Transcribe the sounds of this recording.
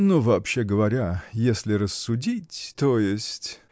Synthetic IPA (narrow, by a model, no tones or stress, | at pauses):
nuvɐːpɕːeɡəvɐɾʲajesʲlʲɪrəsːʊdʲitʲt̪ojɪsʲtʲ